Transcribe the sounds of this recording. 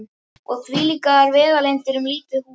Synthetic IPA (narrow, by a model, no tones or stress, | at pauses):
ɔɣθviliːkaðaɾvɛːðalejnt̪ɪɾʏmliːt̪ʏhu